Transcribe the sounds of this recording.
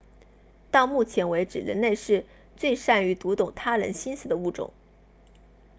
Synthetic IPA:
t̪ɑ˥˧ʊmu˥˩t͡ɕʰjɛ˧˥nwe˧˥ɪʈ͡ʂɻ̩˨˩ɻə̰˧˥nle˥˧ɪʂɻ̩˥˧ | t͡swe˥˧ɪʂa˥˩ny˧˥t̪u˧˥t̪ʊ˨˩ŋt̪ʰa˥ɻə̰˧˥nɕi˥nsɹ̩˥˩d̪ə˦u˥˩ʈ͡ʂʊ̰˨˩˦ŋ

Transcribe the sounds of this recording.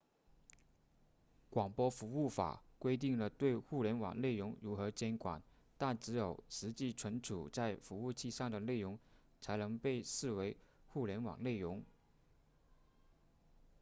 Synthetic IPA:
kwɑ˨˩ŋpwɔ˥fu˧˥u˥˩fa̰˨˩kwe˥ɪt̪̬i˥˩ŋlə˩t̪we˥˧ɪxu˥˩ljɛ˧˥nwɑ̰˨˩ŋle˥˩ɪɻʊ˧˥ŋɻu˧˥xɤ˧˥t͡ɕjɛ˥nkwa̰˨˩n | t̪a˥˩nʈ͡ʂɻ̩˧˥jo˨˩ʊʂɻ̩˧˥t͡ɕi˥˩ʈ͡ʂʰwə˧˥nʈ͡ʂʰṵ˨˩t͡sa˥˩ɪfu˧˥u˥˧t͡ɕʰi˥˧ʂɑ˥˩ŋd̪ə˩le˥˩ɪɻʊ˧˥ŋ | t͡sʰa˧˥ɪnɤ˧˥ŋpe˥˧ɪsɹ̩˥˩we˧˥ɪxu˥˩ljɛ˧˥nwɑ̰˨˩ŋle˥˩ɪɻʊ˧˥ŋ

